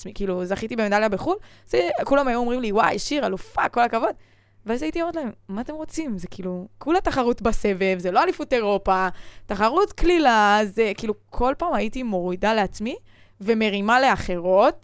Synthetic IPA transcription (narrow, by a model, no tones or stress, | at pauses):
mikiːluzaχitibemed̪aljabeχulz̥ekulamajuomʁimliwa̰jʃiʁalufako̞lakavo̞d̪ | veazaitiomot̪laemːaːt̪e̞mʁo̞t͡simzekiːlukulataχaʁutbase̞ve̞vzelo̞alifuteʁo̞pataχaʁutklilazekiːlukʰo̞lpaːmaitimo̞ʁidaleat͡smi | ve̞me̞ʁimale̞aχe̞ʁo̞t